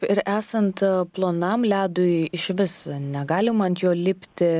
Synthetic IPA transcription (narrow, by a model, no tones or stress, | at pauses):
ɪɾʔæːsɐnt̪plˠoːnɐmlʲæːd̪ʊjɪʃʋʲɪsnʲɛɡɑːlʲɪmɐnt̪joːlʲɪpʲt̪ʲɪ